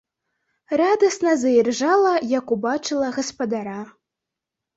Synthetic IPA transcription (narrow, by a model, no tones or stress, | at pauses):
rad̪ɐsnɐzɐjirʐalˠɐjɐkubat͡ʂɨlˠɐɣɐspɐd̪aɾa